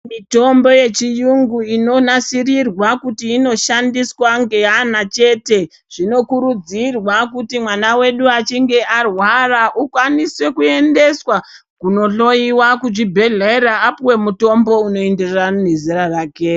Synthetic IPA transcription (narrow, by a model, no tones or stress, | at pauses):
mito̞mbo̞je̞t͡ʃijuŋɡuino̞nasirirwakutiːno̞ʃandiswaŋɡe̞anat͡ʃe̞te̞ | ʐ̥ino̞kuɾud͡zirwakutimwanawe̞ɗuat͡ʃiŋɡe̞ʔarwaraʔukwaniswe̞kue̞nde̞swa | kuno̞ɬo̞iwakuʐibʱe̞ɮeɾaːpiwe̞muto̞mbo̞uno̞enderrane̞ziraraːke̞